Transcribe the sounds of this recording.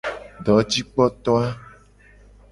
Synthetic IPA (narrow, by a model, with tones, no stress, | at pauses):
ɖɔ˨˦t͡ɕi˦k͡pɔ˦t̪ɔ˦a˦